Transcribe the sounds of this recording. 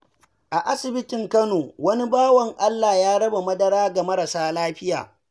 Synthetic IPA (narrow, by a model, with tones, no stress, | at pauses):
ʔa˨ʔa˦sɪ˨bɪ˦tɪ˨ŋkɐ˦noː˨wɐ˦ni˦baː˦wɐ˨ŋʔa˦lːaː˨jaː˦ɽɐ˦ba˨mɐ˦dɐ˦ɽaː˦ɡa˨mɐ˦ɾɐ˨saː˦laː˦ɸɪ˦ja̰ː˨